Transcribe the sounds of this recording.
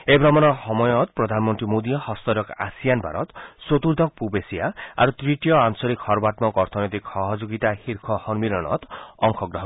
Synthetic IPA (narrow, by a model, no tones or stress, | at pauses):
ebɾɔmɔnɔhɔmɔjɔt̪pɾɔd̪ʱanmɔnt̪ɾimod̪ijɔhɔst̪ɔɾɔka̰sijanbʱa̰ɾɔ̰t̪sot̪uɾd̪ʱɔk̚pubesiaa̰ɾut̪ɾiʈijɔansɔɾikhɔɾbat̪mɔkɔɾt̪ʰɔnɔjt̪ikhɔɦɔd͡ʒoɡit̪ahiɾkʰɔhɔnmiɾɔɽ̃ɔ̰t̪ɔŋkʰɔɡɾɔɦɔ